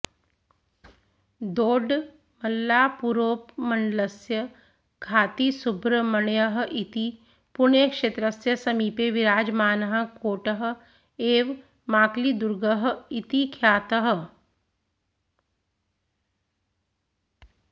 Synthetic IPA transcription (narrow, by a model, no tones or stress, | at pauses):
d̪oːɖ | mɐlːaːpuɾoːpmɐɳɖlɐsjə | kʰaːt̪isʊbɾəmɐɳjəɦʔit̪i | pʊɳjəkʃeːt̪ɾəsjɐsɐmiːpeʋiɾaːd͡ʒmaːnɐɦə̆koːʈəɦ | eːʋ | maːklid̪ʊɾɡəɦit̪ikʰjaːt̪əɦ̆